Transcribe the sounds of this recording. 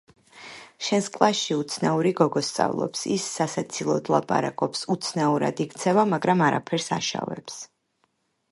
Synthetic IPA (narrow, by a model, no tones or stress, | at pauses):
ʃɛnskʼlˠaʃiut̪sʰnauɾiɡɔɡɔst̪sʼa̰vlˠɔ̰psḭsːasat̪sʰilˠɔd̪lˠapʼa̰ɾakʼɔpsut̪sʰnauɾa̰d̪ikʰt̪sʰɛvamaɡɾamaɾapʰɛɾsa̰ʃa̰vɛ̰ps